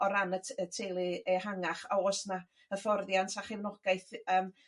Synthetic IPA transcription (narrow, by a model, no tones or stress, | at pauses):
ɔɾanəətʰelˠɨɛhaŋaχaɔsna | əfɔrðjantʰaχɪvnɔɡ̥aɨθəːm